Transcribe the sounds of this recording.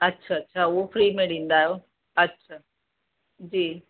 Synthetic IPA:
ɐtːɕʰaɐtːɕʰaʊɦofɾiːmeːɽĩnd̪aːjoː | ɐtːɕʰa | d͡ʑiː

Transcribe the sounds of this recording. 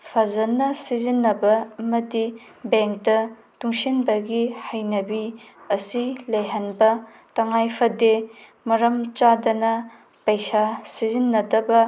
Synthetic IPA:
pʰɐzɐnːɐsizinːɐbɐːmɐdi | beŋk̚tɐ | tuŋsinbɐɡihɐjnɐbi | ɐsilɐjɦɐnbɐ | tɐŋajpʰɐde | mɐɾɐmt͡ʃadɐnɐ | pɐjsasizinːɐdɐbɐ

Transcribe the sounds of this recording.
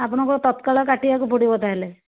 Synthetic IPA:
ap̬ɔɽ̃ɔŋkɔt̪ɔt̪kaɭɔkaʈiakupoɽibɔt̪aɦele

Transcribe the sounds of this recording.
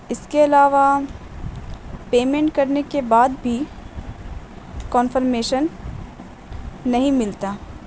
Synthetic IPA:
ɪskeɐlaːʋa | peːmẽːɳʈkɐɾnekebaːd̪bʱi | kɔːnfəɾmeːʃən | ɐɦĩmɪlt̪aː

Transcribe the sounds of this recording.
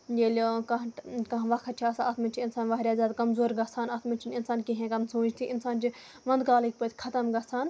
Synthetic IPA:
jeːlʲkɐɦkɐɦʋɐkʰɐt̪̚t͡ʃʰiɐsaɐt̪minʲt͡ʃʰiinsaːnʋaɦɾʲjaːzʲaːd̪kɐmzoːɾɡɐsʰaːnɐt̪ʰmint͡ʃʰininsaːnkiɦẽːkɐmsõːd͡ʒt̪ʰiʔɪnsaːnt͡ʃi | ʋɐ̃nd̪kaːlik̚ʰʲpɐt̪ʰʲkʰɐt̪ɐmɡɐsʰaːn

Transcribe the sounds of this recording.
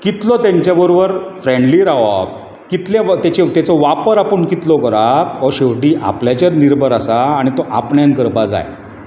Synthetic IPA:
kit̪lɔt̪jaɲt͡ɕjabəɾobəɾfɾẽɳɖliɾaɦʋa̰p̚ | kit̪leʋt̪jat͡ɕet̪jat͡sɔʋapəɾapəɳkit̪lɔkəɾakɔɕeʋʈiːʔa̰pljat͡ɕaɾniɾbʱəɾasaːɽ̃it̪ɔʔapɳjankəɾbad͡za̰j

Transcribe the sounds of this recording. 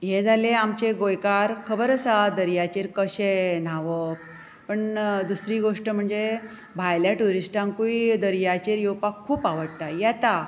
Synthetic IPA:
jed͡zʱaleamt͡ɕeɡojkaɾkʰəbəɾəsad̪əɾjat͡ɕiɾkəɕenaʋə | pəɳd̪usɾiːɡoʂʈəm̤əɳd͡ze | bʱajljaʈuɾisʈãŋkuid̪əɾjat͡ɕiɾjowpakʰːuːpaʋəɽt̪ajat̪a

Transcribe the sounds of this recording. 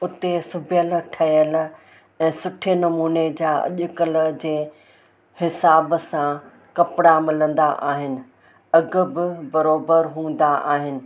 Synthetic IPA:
ʊt̪esʊbʱɪjəlʈʰɐjəl | ɛ̃ːsʊʈʰenɐmuːned͡ʑaːɐ̰ʄʊkəld͡ʑeː | hɪsaːbsã | kɐpɪɽamɪlə̃nd̪aʔaːɦɪnɪ̆ | ɐɡʊ̆bɪbɐɾoːbəɾɦũːn̆d̪aʔaːɦɪnɪ̆

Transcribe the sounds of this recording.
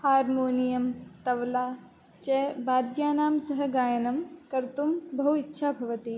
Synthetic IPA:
haːɾmoːnijɐmt̪ɐʋlaː | t͡ʃebaːd̪jaːnaːmsɐɦɐ̆ɡaːjɐnɐmkɐɾt̪umbɐɦuitːʃʰaːbʱɐʋɐt̪i

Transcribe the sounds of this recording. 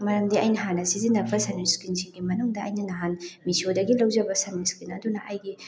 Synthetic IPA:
mɐɾɐmdiɐjnɐɦanɐsizinɐpʰːɐsaneɾskinsiŋɡimɐnuŋdɐːjnɐnɐɦanmisiodɐɡilɐwd͡ʒɐbɐsɐneɾskinɐ̰dunɐʔajɡi

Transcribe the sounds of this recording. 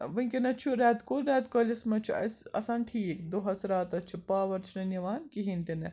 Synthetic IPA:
ʋɐŋkʲɐnɐt͡ʃʰuɾɛːt̪kolɾɛːt̪kɐlʲɐsmɐt͡ʃʰuɐ̰sɐ̰saːnʈʰiːkd̪oɦɐsɾaːt̪ɐt͡ʃʰupaːʋɐɾt͡ʃʰunɐnɐʋaːnkiɦint̪ine

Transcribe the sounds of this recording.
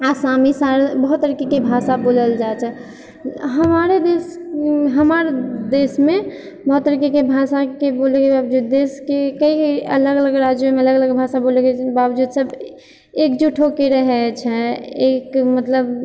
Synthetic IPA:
asamisaɾebəɦut̪ːəɾikikebʱasaboləld͡ʒaet͡ʃʰɛ | ɦəmaɾed̪esɦəmaɾd̪esme | bɦut̪ːəɾikekebʱasakebolekebabd͡ʒud̪̚ːeskekəiələɡələɡɾad͡ʒjomeələɡələɡbʱasabolekebabd͡ʒud̪səb | ekd͡ʒuʈʰokeɾəɦɛt͡ʃʰɛekmət̪ləb

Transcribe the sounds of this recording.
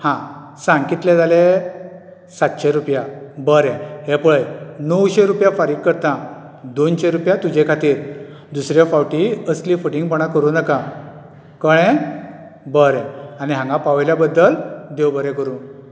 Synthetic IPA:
hã | sãŋkit̪lẽd͡zale | sat̪ɕeɾupjabəɾɛ̃ɦepuɭəjnəwɕẽɾupjafaɾiːɡ̚kːəɾt̪ã | d̪onɕeɾupjat̪ud͡ʑekʰat̪iːɾ | d̪usɾjafawʈiəslifuʈiŋɡpəɽ̃ãkəɾuːnəkã | kəɽ̃ɛ̃ | bəɾɛ̃aniɦãŋɡãpaʋjljabəd̪ːəld̪ewbəɾɛ̃kəɾũː

